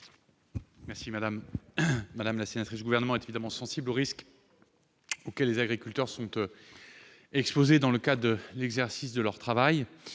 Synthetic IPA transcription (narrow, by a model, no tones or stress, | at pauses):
mɛʁsimad̪amː | ad̪amlasenat̪χisd̪ɡuvɛʁnəmɑ̃ɛt̪evid̪amɑ̃sɑ̃sibloʁisk | okʲɛlːezaɡʁikʲylt̪œʁsɔ̃t̪ | ɛkspozed̪ɑ̃ləkad̪əlɛɡzɛʁsisd̪əlœʁt̪χavaj